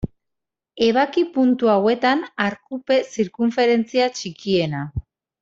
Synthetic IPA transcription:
e̞β̞akipunt̪uawe̞t̪anaɾkupe̞siɾkuɱfe̞ɾe̞nt͡siat͡ʃikie̞na

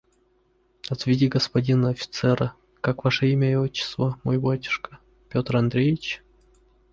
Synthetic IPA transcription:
ɐt̪vʲɪdʲiɡəspɐdʲinəɐfʲɪ̥t̪sɛɾə | kakvaʂəimʲəɪot͡ɕːɪ̥st̪vəmojbatʲɪ̥ʂkə̥ | pʲot̪rɐnd̪ɾʲejɪt͡ɕ

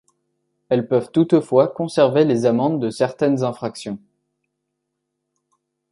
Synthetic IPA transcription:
ɛlpœvt̪ut̪fwakɔ̃sɛʁvelezamɑ̃d̪ːəsɛʁt̪ɛnzɛ̃fχaksjɔ̃

